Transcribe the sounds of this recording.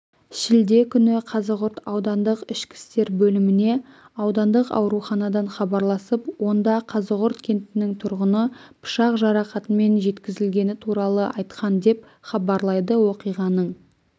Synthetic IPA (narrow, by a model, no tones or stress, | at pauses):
ʃɪld̪e̞kʲʰʏnɪqʰɑzəʁʊɾt̪ɑwd̪ɑnd̪əqɪʃkʲɪ̥st̪e̞ɾbɵlɪmɪne̞ | ɑwd̪ɑnd̪əqɑ̰wɾuχɑnɑd̪ɑɴχɑbɑɾlˠɑsəpwo̞nd̪ɑqʰɑzəʁʊɾt̪kʲʰe̞nt̪ɪnɪŋt̪ʰʊɾʁənəpʰʊ̥ʃɑqʒɑɾɑqɑt̪əme̞nʒe̞t̪kʲɪzɪlɡʲe̞nɪt̪ʰuɾɑlˠəʔɑjt̪qʰɑnd̪e̞p | χɑbɑɾlˠɑjd̪əwo̞qijʁɑnəɴ